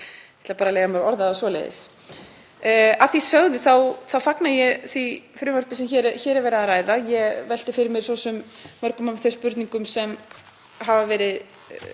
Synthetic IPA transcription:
t̪ɪlapaːɾaleːjɣamaɾɔɾðaasvɔːlḛjðɪ̰s | aθisœɣðɪθawθawfaknajɛθifɾʏːvœɾk̪ɪ̥sɛmçɛɾçɛːɾɛvɛɾɪaðaɾaːjðajɛvɛl̥t̪ɪfɪɾɪɾmɪɾ̥sɔːsʏmːœɾ̥kʏmamθœspʏɾt̪niŋkʏmsɛm | ɦavavɛːɾɪð

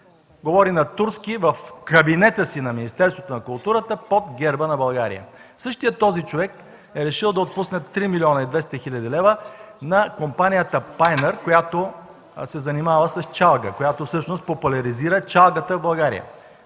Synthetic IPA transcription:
ɡovɔɾinɐt̪uɾskivɐfkɐbinɛt̪əsinɐminist̪ɛɾst̪vot̪onɐkʊlˠt̪uɾət̪əpod̪ɡɛɾbənɐbɐlˠɡaɾḭjə̰ | sɤʃt̪ijət̪ːɔzit͡ʃovɛk | ɛɾɛʃilˠd̪ɐot̪̚pusnɛt̪ːɾimilʲiɔnəid̪vɛst̪əxilʲəd̪ilɛvə | nɐkompanijət̪əpajnəɾkojat̪o | sɛzɐnimavəsɐst͡ʃalˠɡəkojat̪ofsɤʃnost̪̚populʲɐɾiziɾət͡ʃalˠɡət̪əvbɐlˠɡaɾḭjə̰

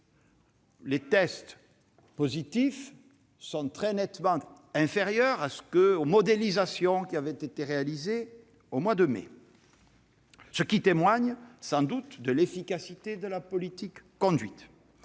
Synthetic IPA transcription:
let̪ɛst̪ | pozit̪if | sɔ̃t̪χɛnɛt̪mɑ̃ | ɛ̃feʁjœʁasə̥kəomɔd̪elizasjɔ̃kʲiavɛt̪et̪eʁealize | omwad̪əmḛ | səkʲit̪emwaɲsɑ̃d̪ut̪d̪əlefikasit̪ed̪əlapɔlit̪ikːɔ̃d̪ɥit̪

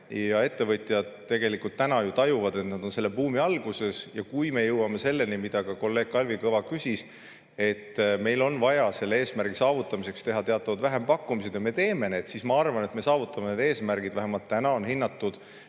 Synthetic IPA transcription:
jɑe̞t̪ːe̞vɤt̪ʲˑjɑd̪̥t̪ːe̞ɡe̞likult̪ːænɑjut̪ɑjuvɑd̪e̞t̪nɑd̪̥o̞nse̞lːepuːmiɑlɡ̥use̞sjɑkujme̞jɤwɑme̞se̞lːe̞nimid̪̥ɑkɑko̞lːe̞ːɡ̥̚kɑlvikɤvɑkysʲis | e̞t̪ːme̞jlo̞nvɑjɑse̞lːeeːsmærɡ̥isɑːvut̪ːˑɑmise̞kst̪e̞ɦɑt̪e̞ɑt̪ːˑɑvɑd̪væɦe̞mpɑkːˑumised̪jɑme̞t̪e̞ːme̞ne̞ːd̪̥sismɑɑrvɑne̞t̪me̞sɑːvut̪ːˑɑmened̪e̞ːsmærɡ̥id̪̥væɦemɑlt̪ːænɑo̞nhinːɑt̪ːud̪̥

